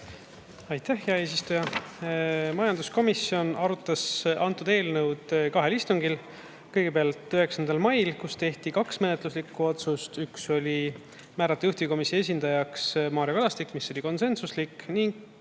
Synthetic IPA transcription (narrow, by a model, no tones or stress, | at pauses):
ɑjt̪æhjeɑe̞ːs̬ist̪ujɑ | mɑjɑnd̪̥usko̞misjo̞nɑɾut̪ːˑɑsʔɑnt̪ːˑud̪e̞ːlnəwd̪kɑɦe̞list̪uŋɡ̥il | kɤjɡ̥e̞peɑlt̪ˑyɦe̞ksɑnd̪ɑlmɑjlkust̪e̞ht̪ikɑksme̞net̪ˑluslikːˑuo̞t̪sust̪ykso̞lʲi | mæːɾɑt̪ːˑejuht̪iviko̞misoes̬ʲind̪̥ɑjɑksmɑːɾjɑkɑlɑst̪ikːmisːo̞lʲiko̞nse̞nsuslikːniŋɡ̥